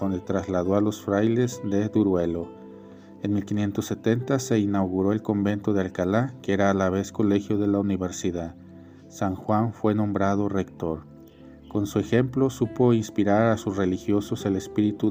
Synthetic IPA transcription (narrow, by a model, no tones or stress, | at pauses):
ond̪et̪ɾazlaðo̞alo̞sfɾajle̞zd̪e̞d̪uɾwe̞lo̞ | enmilkinje̞nt̪osːe̞t̪e̞nt̪ase̞inawɣuɾo̞e̞lko̞mbe̞nt̪o̞ðealkalakeeɾaːlaβ̞e̞sko̞le̞xjo̞ðe̞launiβe̞ɾsiðað | saŋxwaɱfwe̞nõ̞mbɾað̞o̞re̞kt̪o̞ɾ | ko̞nsue̞xe̞mplo̞supo̞inspiɾaɾasusre̞lixjo̞so̞se̞lespiɾit̪u